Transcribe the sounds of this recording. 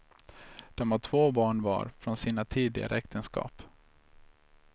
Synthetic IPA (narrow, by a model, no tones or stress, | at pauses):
d̪̥ɔmvaʈʰvoːbɑːɳvɑ̰ːɾfɾɔnsiːnat̪ʰiːd̪lɪɡa̰ɾəɛkt̪ʰənskɑ̰ːp